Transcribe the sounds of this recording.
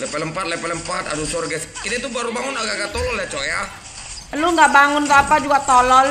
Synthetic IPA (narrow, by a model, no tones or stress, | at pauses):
lɛpɛləmpat̪̚lɛpɛləmpat̪a̰dusɔrɡɛskit̪at̪ubaɾubaŋʊnaɡaɡat̪ɔlɔljat͡ʃoja | luŋɡaʔbaŋʊntapad͡ʒuɡat̪ɔlɔl